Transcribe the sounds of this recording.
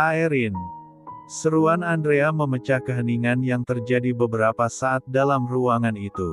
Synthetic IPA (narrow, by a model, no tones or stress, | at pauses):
aɛɾin | səɾuanandɾeaməmət͡ʃakəɦəniŋanjaŋt̪ərd͡ʒadibəbəɾapasaːt̪̚dalamruaŋanit̪u